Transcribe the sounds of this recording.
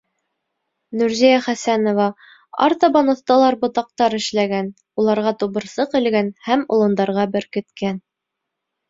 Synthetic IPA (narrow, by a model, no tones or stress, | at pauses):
nʉɾzijæχæsænovɑ | ɑ̰ɾt̪ɑbɑnɤ̆θt̪ɑlˠɑɾbŏt̪ɑq̚t̪ɑɾɘ̆ʃlæɡæn | ulˠɑɾʁɑt̪uβɤ̆ɾsɤqɘ̆lɡænhæmulˠɤ̆nd̪ɑɾʁɑbɘɾkɘ̆t̪kæn